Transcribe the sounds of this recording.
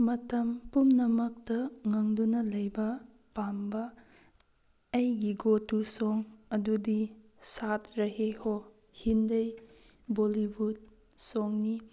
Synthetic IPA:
mɐtɐmpumnɐmɐk̚tɐŋɐŋdunɐlɐjbɐ | pambɐ | jɡiɡotusoŋɐdudi | satʰɾɐɦeho | hindɐj | bolibud̚ | soŋni

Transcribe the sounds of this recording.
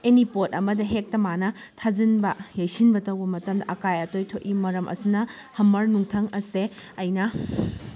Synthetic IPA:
enipot̚ɐmɐdɐɦek̚tɐmanɐ | tʰazinbɐjɐjsinbɐtɐwbɐmɐtɐmdɐʔɐkajɐtojtʰoʔ̚imɐɾɐmʔɐ̰sinɐ | hɐmɐɾnuŋtʰɐŋɐseɐjnɐ

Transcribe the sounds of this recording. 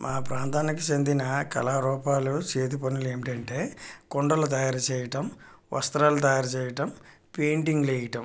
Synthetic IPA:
mʔaːpɾaːnt̪aːnikit͡ʃend̪inɐkɐ̰laːɾɔːpaːlut͡ʃe̞ːd̪upɐnuleːmiʈɐɳʈe̞ːkoɳɖɐlut̪̬ɐjaːɾɐt͡ʃɛːjɐʈɐm | ʋɐ̰st̪ɾaːlut̪̬ɐjaːɾɐt͡ʃɛːjɐʈɐmpe̞ːɳʈiŋɡlejɐʈɐm

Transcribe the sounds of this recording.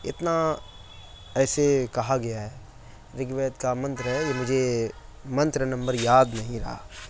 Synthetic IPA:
ɪ̰t̪na | ɛːsekɐɦaɡɐjaɦɛː | ɾɪɡʋɛːjət̪kamɐ̃nt̪ɾəɦɛjemʊd͡ʒʱemɐ̃nt̪ɾənɐ̃mbəɾjaːd̪nɐɦĩɾɐ̰ɦa̰ː

